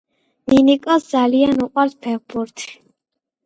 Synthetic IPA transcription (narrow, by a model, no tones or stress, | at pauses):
minikʼɔsd̪zalianuqʼwaɾspʰɛʁbuɾt̪ʰ